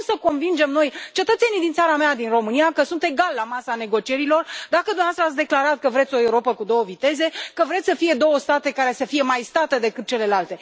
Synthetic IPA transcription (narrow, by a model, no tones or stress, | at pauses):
səko̞nvind͡ʒe̞mno̞jt͡ʃe̞t̪ət̪se̞nid̪int̪saɾamead̪inro̞mɨnijakəsunt̪e̞ɡalːamasane̞ɡo̞t͡ʃie̞ɾilo̞rd̪akəd̪umneaast̪ɾəat̪ʲd̪e̞klaɾat̪̚kəvɾe̞t̪sʲo̞e̞uɾo̞pəkud̪o̞wəvit̪e̞ze̞kəvɾe̞t̪sʲsəfije̞d̪o̞wəst̪at̪e̞kaɾesəfije̞majst̪at̪əd̪e̞kɨt̪̚t͡ʃe̞le̞lalt̪e̞